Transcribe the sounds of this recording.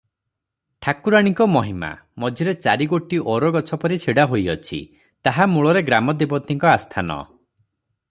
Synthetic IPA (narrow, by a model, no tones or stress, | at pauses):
ʈʰakuɾaɽ̃iŋkɔmɔɦima̰ | mɔd͡ʒʱiɾet͡ʃaɾiɡoʈiʔɔɾɔɡɔt͡ʃʰɔpɔɾit͡ʃʰiɽaɦojɔt͡ʃʰḭ | t̪aɦamuɭɔɾeɡɾamɔd̪ibɔt̪ːiŋkɔast̪ʰanɔ̰